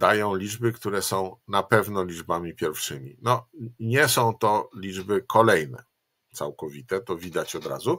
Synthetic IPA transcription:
d̪ajɔ̃w̃lʲid͡ʐbɘkt̪uɾɛsɔ̃w̃napɛvnɔlʲid͡ʐbamʲipʲjɛɾfʂɘmʲḭnɔɲɛsɔ̃w̃t̪ɔlʲid͡ʐbɘkʰɔlɛjnɛ̰ | t̪sa̰wkɔvʲit̪ɛt̪ɔvʲid̪at͡ɕɔd̪ɾa̰zu

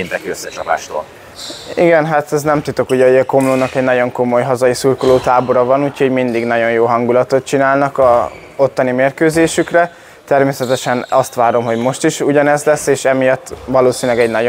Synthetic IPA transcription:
ind̪ɛŋkiøsːɛt͡ʃɒpa̰ːʃt̪o̰ːl | iɡɛnɦat̪ɛznɛmt̪ut̪o̞kuɟɛiɛko̞mloːnɒkɛɟnɒɟo̞ŋko̞mo̞jɦɒzɒjisurkoloːt̪aːbo̞ɾɒvɒnuːcʰho̞ɟmind̪iɡnɒɟo̞njoːɦɒŋɡulɒt̪o̞t̪̚t͡ʃinaːlnɒkɒ | o̞t̪ːɒnimeːrkøːzeːʃykrɛ | t̪ɛrmeːsɛt̪ɛʃɛnɒst̪ʋaːɾo̞mɦo̞ɟmo̞ʃt̪iʃuɟɒnɛzlɛsːeːʃɛmijɒt̪ːʋɒloːsinylɛɡɛɟnɒɟo

